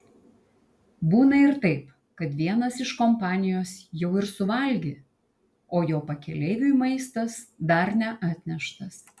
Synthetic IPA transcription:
buːnɐɪɾt̪ɐɪp | kɐt̪ʋʲiɛnɐsɪʃkɔmpɑːnʲɪjoːsjɛʊɪɾsʊʋɐlʲɡʲɪ | oːjoːpɐkʲɛlʲɛɪʋʲujmɐɪst̪ɐsd̪ɐɾnʲɛʔɑːt̪ʲnʲɛʃt̪ɐs

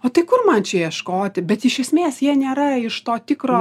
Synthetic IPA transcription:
oːt̪ɐɪkʊrmɐnt͡ʃʲɛjiɛʃkoːt̪ʲɪbʲɛt̪ɪʃʲɛsʲmʲeːsjiɛnʲeːɾɐɪʃt̪oːt̪ʲɪkɾoː

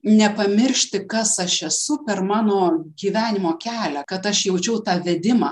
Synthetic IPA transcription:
nʲɛpɐmʲɪrʲʃʲt̪ʲɪkɐsɐʃɛsʊpʲɛrmɑːnoːɡʲiːʋʲæːnʲɪmoːkʲæːlʲækɐt̪ɐʃjɛʊt͡ʃʲɛʊt̪ɑːʋʲɛd̪ʲɪmɑː

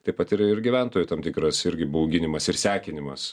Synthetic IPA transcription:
t̪ɐɪpɐt̪ɪɾɪrɡʲiʋʲænt̪oːjʊt̪ɐmt̪ʲɪkɾɐsɪɾʲɡʲɪbɐʊɡʲɪnʲɪmɐsɪɾsʲæːkʲɪnʲɪmɐs

